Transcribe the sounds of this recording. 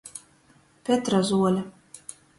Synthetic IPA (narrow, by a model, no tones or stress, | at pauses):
pʲet̪ɾazuɔlʲɛ